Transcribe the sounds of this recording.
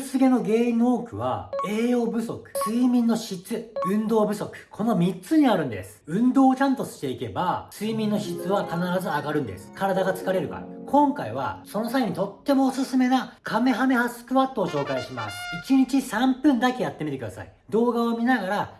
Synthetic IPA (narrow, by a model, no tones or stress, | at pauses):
sɨɡe̞no̞ɡe̞ːĩnːo̞ːkɯ̟βa̰e̞ːo̞bɯ̟so̞kɯ̟̥sɨimʲĩnːo̞ɕit͡sɨɯ̟̃nd̪o̞ːbɯ̟so̞kɯ̟̥kʰo̞no̞mʲitt͡sɨɲ̟iaɾɯ̟̃nd̪e̞̰sɨ̥ɯ̟̃nd̪o̞ːt͡ɕãnt̪o̞̥ɕi̥t̪e̞ike̞basɨimʲĩnːo̞ɕit͡sɨβakanaɾazɨaɡaɾɯ̟̃nd̪ḛsɨ̥kaɾad̪aɡat͡sɨ̥kaɾe̞ɾɯ̟ka̰ɾa̰kʰõ̞ŋkaiβa̰sono̞saiɲ̟it̪o̞t̪ːe̞mo̞ːsɨsɨme̞nakʰame̞ɦame̞hasɨ̥kɯ̟βat̪ːo̞ːɕo̞ːkaiɕima̰sɨ̥it͡ɕiɲ̟it͡ɕisãmpɯ̟̃nd̪akʲe̞jat̪ːe̞mʲit̪e̞kɯ̟d̪asa̰i | d̪o̞ːɡaβomʲinaɡaɾa